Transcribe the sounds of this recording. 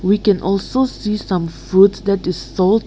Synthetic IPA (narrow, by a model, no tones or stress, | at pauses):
wikɛ̃nʔɔlsosisãmfɹutsdɛtɪsːɔlt